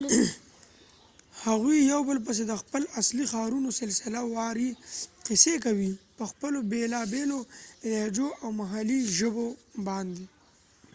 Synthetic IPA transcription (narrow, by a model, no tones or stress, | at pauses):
haɣwijawbəlp̬əs̬ed̪əxpəlaslixɑːɾunosɪlsɪlawɑɾiqɪsekawipəxpəlobelɑbeloɪlɑd͡ʒoʔawmaɦaliʒəbobɑnd̪e